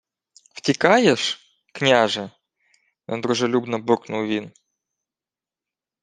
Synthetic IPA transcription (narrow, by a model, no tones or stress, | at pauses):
ftʲɪkajɛʂ | knʲaʐɨ | jo̰nd̪ɾʊʐɨlʲubnɐburknʊlˠvʲin